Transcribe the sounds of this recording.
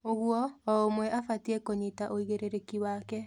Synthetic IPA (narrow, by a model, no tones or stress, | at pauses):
oɣwɔɔomwɛʔafatiekoɲitaʔoiɣeɾeɾekiwakɛ